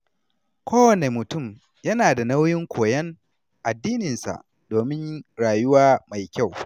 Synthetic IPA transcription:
kʷoː˦wɐ˨ne˨mʊ˨tʊ˦˨m | jɐ˦naː˨da˨na˦wjɪ˦ŋkʷʰoː˨jɐ˦ŋ | ʔa˨dːiː˦nɪ˨nsa̰˨ʔ | doː˨mɪ˦ɲɽaː˨jʊ˦waː˦ma˨jkʲa˦˨w

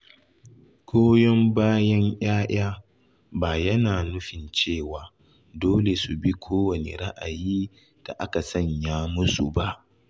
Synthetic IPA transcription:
kʰʷoː˦jɔ˦mbaː˦jɐ˦ɲʔj̰aː˦j̰aː˦ | baː˨jɐ˦naː˨nʊ˦ɸɪ˨nt͡ʃeː˦˨waː˨ | doː˦le˨su˨bi˦kʷʰoː˦wɐ˨nḛ˨ɾa˦ʔa̰˨jiː˦ | d̥a̰˨ʔa˦ka˨sɐ˦ɲjaː˦mʊ˦su˨ba˦ʔ

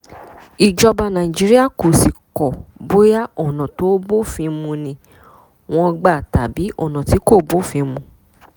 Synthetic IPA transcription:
i˨d͡ʒɔ˧ba˧nã˨i˨d͡ʒi˨˦ɾi˦a˦˨ko˨si˨kɔ˨bo˦ja˦ɔ˦˨nã˨to˨˦bo˦fĩ˧mũ˧nĩ˧ | w̃ɔ̃˧ɡ͡ba˦˨ta˨bi˨˦ɔ̰˦˨nã˨ti˨˦ko˦˨bo˦˨fĩ˧mũ˧

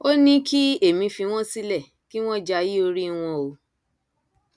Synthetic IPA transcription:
o˦nĩ˦kʰi˦e˦˨mĩ˧fi˧w̃ɔ̃˦si˦lɛ˦˨ | ki˦w̃ɔ̃˦d͡ʒa˧ji˦o˧ɾi˦w̃ɔ̃˧o˧

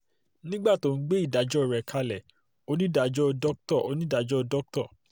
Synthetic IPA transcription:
nĩ˦ɡ͡ba˦˨to˧˨n̩˦ɡ͡be˦i˦˨da˨˦d͡ʒɔ˦˨ɾɛ˨kʰa˧lɛ˨ | o˧nĩ˦da˨d͡ʒɔ˦dɔ˦k̚tɔ˦˨ʔo˧nĩ˦da˨d͡ʒɔ˦dɔ˦k̚tɔ˦˨

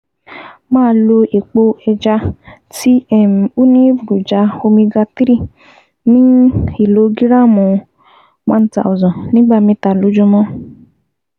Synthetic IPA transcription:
mãː˦lo˧e˨k͡po˧ɛ˧d͡ʒa˧ | ti˦ɛ˦˨m˨u˦nĩ˦bu˨ɾu˨d͡ʒa˧˦o˧mĩ˧ɡa˧ti˦ɾi˦˨ | nĩ˦i˨lo˨˦ɡi˦ɾa˦mũ˨ | mã˦n̩˦ta̰˨ɔ˨zɔ̃˨nĩ˦ɡ͡ba˦˨mĩ˧ta˨lu˨˦d͡ʒu˧mɔ̃˦

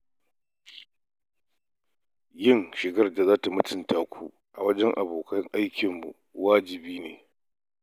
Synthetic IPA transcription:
jɪ˦ŋʃɪ˨ɡɐ˦rda˨zaː˦ta˨mʊ˦tʰɪ˨ntaː˨kʷʰu˦ | ʔa˨wɐ˦d͡ʒɛ˦ŋʔa˨boː˨kɐ˦ŋʔa˦jkʲɪ˨mːṵ˨ | waː˦d͡ʒɪ˨biː˦neː˨

